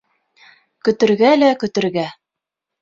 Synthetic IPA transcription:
kɵ̆t̪ɘ̆ɾɡælækɵ̆t̪ɘ̆ɾɡæ

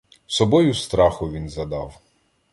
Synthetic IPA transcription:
sɔbɔjʊst̪ɾɑxʊʋʲinzɐd̪ɑw

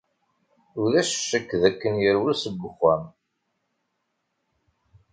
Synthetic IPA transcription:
ʊɾðæʃʃːəkːðækːənjəɾwəɾsəɡʷːəχæm

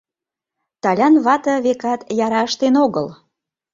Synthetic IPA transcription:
t̪ɑlʲɑnβɑt̪ə̆βekɑt̪jɑɾɑəʃt̪enoɣəl

